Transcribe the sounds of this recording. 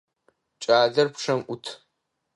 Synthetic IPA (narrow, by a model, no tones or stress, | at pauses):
t͡ʃʼaːɮɐrpʂɐmʔʷʊtʰ